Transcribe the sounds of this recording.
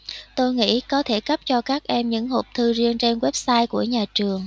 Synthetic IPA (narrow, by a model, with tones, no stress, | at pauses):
t̪o˧jŋḭ˧˥kɔ˨˦t̪ʰe˧˩kə˦˥p̚t͡ɕɔ˧kaː˦˥k̚ʔɛ˧mɲɨ̰˧˥ŋho˨˩p̚t̪ʰɨ˧zi˧ənt͡ɕe˧nwe˦˥p̚saː˧jku˧˩əɲaː˨˩t͡ɕɨ˨˩əŋ